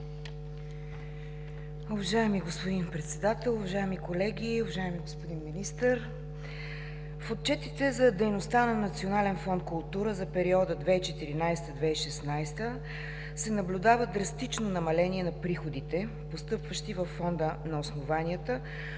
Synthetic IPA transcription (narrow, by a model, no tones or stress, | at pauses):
ʊvɐʒaɛmiɡospod̪inpɾɛt̪sɛd̪at̪ɛlˠʊvɐʒaɛmikolɛɡʲiʊvɐʒaɛmiɡospod̪inminist̪əɾ | fot̪̚t͡ʃɛt̪it̪ɛzɐd̪ɛjnost̪anɐnɐt̪sionalɛnfɔnt̪̚kʊlˠt̪uɾəzɐpɛɾiɔd̪əd̪vɛit͡ʃɛt̪iɾinajst̪əd̪vɛiʃɛsnajst̪ə | sɛnɐblʲʊd̪avəd̪ɾɐst̪it͡ʃnonɐmɐlɛnʲiɛnɐpɾixod̪it̪ɛ | post̪ɤpvəʃt̪ivəfːɔnd̪ənɐosnovaniət̪ə